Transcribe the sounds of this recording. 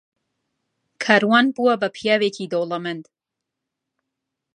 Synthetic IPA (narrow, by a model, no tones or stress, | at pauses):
kʰaɾwanbuabapʰijavekʰid̪olamɛnt̪ʰʼ